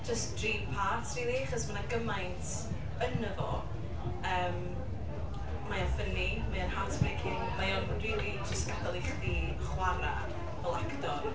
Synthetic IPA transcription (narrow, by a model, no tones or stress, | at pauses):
d͡ʒəstd̥riːpʰatriːliaχɔsmanaɡəmajntʰ | ənəvɔ̰ | əːm | majafənimaɔnhantʰbɛkʰɪnmajɔnnriːdid͡ʒəstɡ̥adalˠɪχdi | χwaɾa̰ | vɛlˠakdɔ